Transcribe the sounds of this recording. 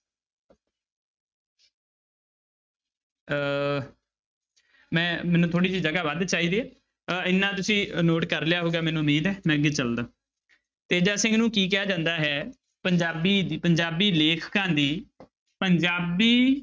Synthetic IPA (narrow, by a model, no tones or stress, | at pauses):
mɛ̃ːmɛːnũːt̪ʰoːɽiːt͡ʃiːd͡ʒəɡaːʋəd̪t͡ʃaːiːd̪iːɛː | ɪnːãːt̪ʊsĩːnoːʈkəɾlejaːɦoːɡaːmɛ̃ːnũːʊmiːd̪ɛːmɛ̃ːəɡeːt͡ʃəld̪aː | t̪eːd͡ʒaːsɪ̃ŋɡnũːkiːk̬ɪaːd͡ʒãːnd̪aːɦɛː | pəɲd͡ʒaːbiːd̪iːpəɲd͡ʒaːbiːleːkʰkãːd̪iː | pəɲd͡ʒaːbiː